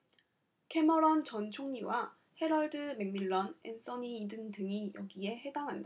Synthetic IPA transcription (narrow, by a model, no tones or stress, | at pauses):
kʰe̞mʌɾʌnt͡ɕʌnt͡ɕʰoŋɲiwa | he̞ɾʌɭdɯme̞ŋmiɭːʌnens͈ʌɲiːdɯndɯŋijʌɡie̞he̞daŋɦanda